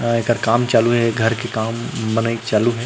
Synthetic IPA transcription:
ekəɾkaːmt͡ʃaːluɦɛɡʱɐɾkekaːmbənaːit͡ʃaːluɦɛː

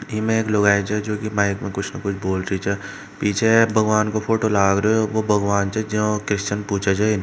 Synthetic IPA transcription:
imẽeːkloːɡaːet͡ʃʰɛd͡ʒoːkimaːɪkmẽkʊt͡ʃʰnɐkʊt͡ʃʰboːlɾit͡ʃʰɛ | piːt͡ʃʰebʱɐɡʋaːnkopʰoːʈolaːɡɾɐoʋobʱɐɡʋaːnt͡ʃʰɛd͡ʒõkɾɪst͡ʃənpuːt͡ʃʰat͡ʃʰain

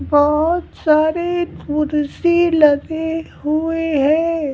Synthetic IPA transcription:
bɔɦʊt̪saːɾeʊɾsilɐɡe | ɦueɦɛ̃ː

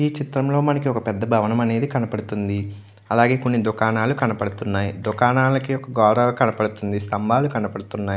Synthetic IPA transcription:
iːt͡ʃit̪ɾɐmlo̞ːmɐnɐkiɔkɐpɛd̪ːɐbʱɐʋɐnɐmɐne̞ːd̪ikɐnɐpɐɽut̪und̪i | ɐlaːɡe̞ːkonːid̪ukaːnaːlukɐnɐpɐɽut̪unːaːjid̪ukaːnaːlɐkiɔkɐɡɔːɾɐʋɐkɐnɐpɐɽut̪und̪ist̪ʰɐmbʱaːlukɐnɐpɐɽut̪unːaːji

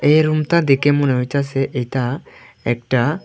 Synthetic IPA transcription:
eɾumt̪ad̪ɛkemunəit͡ʃasɛʔejt̪a | ɛk̚ʈa

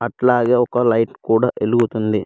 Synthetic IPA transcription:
ɐʈlaːɡeɔkːɐlɐjʈkuːɽaʔeluɡut̪und̪i

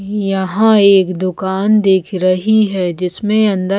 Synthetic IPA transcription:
jɐɦãeːkd̪ʊkaːnd̪eːkʰɾɐɦiɦɛːd͡ʒɪsmẽɐ̃nd̪ə

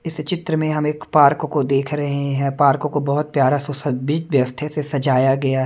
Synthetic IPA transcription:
ɪst͡ʃɪt̪ɾəmẽɦɐmeːkpaːɾkkod̪eːkʰɾɐɦeɦɛ̃paːɾkõkobɐɦʊt̪̚pjaːɾasɔsɐbid͡ʒʋjɐʋəst̪ʰesesɐd͡ʒaːjaɡɐja

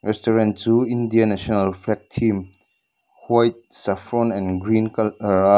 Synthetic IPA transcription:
ɾɛstɔɾentuindianɛsonalpʰlɛk̚tʰːim | hwajt̚safɾɔnɛ̃nɡɾinkɾa

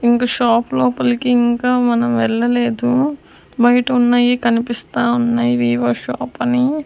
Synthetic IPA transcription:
iŋkaːʃaːplɔːpɐlɐkiiŋkaːmɐnɐmʋɛɭːɐleːd̪u | bɐjɐʈɐunːaːjikɐnipist̪aːunːaːjiʋiːʋɐʃaːpɐni

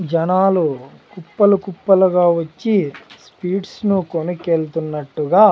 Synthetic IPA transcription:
d͡ʒɐnaːlukupːɐlukupːɐluɡaːʋot͡ʃːispiːɖsnukonukeːlt̪unːɐʈːuɡaː

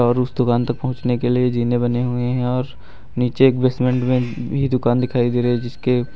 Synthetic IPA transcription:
ɔːɾʊsd̪ʊkaːnt̪ɐk̚pɐɦʊ̃t͡ʃnekelied͡ʒiːnebɐneɦʊeɦɛ̃ɔːɾ | niːt͡ʃeːkbesmẽɳʈmẽbʱid̪ʊkaːnd̪ɪkʰaːid̪eːɾeɦɛ̃d͡ʒɪske

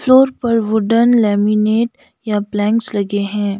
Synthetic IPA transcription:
floːɾpɐɾʋʊɖənlɛːmineːʈ | japlɛ̃ːŋkslɐɡeɦɛ̃ː

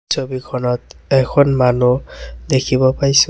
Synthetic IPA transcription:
sobikʰɔnɔt̪ɛkʰɔnmanud̪ekʰibɔpaɹis

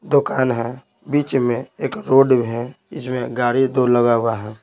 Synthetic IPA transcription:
d̪ʊkaːnɦɛ̃ | biːt͡ʃmẽeːkɾoːɖbɦɛ̃ | ɪsmẽɡaːɽid̪oləɡaːwaɦɛ̃ː

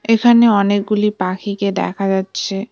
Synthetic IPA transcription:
ekʰaneɔnek̚ɡulipakʰiked̪ɛ̰kʰad͡ʑatːɕʰe

